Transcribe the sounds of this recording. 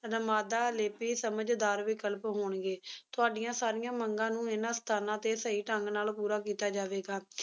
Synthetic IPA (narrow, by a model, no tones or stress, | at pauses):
nəmaːd̪aːleːpiːsəməd͡ʒd̪aːɾʋɪkəlpɦoːɳɡeːt̪ʊaːɖɪjãːsaːɾɪjãːməŋɡãːnũːɪnãːst̪ʰaːnãːt̪eːsəiːʈəŋɡnaːlpuːɾaːkiːt̪aːd͡ʒaːʋeːɡaː